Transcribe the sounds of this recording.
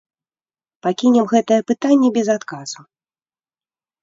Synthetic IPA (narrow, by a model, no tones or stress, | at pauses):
pakʲinʲɛmɣɛt̪ɐjɛpɨt̪anʲːɛbʲɛzat̪kazu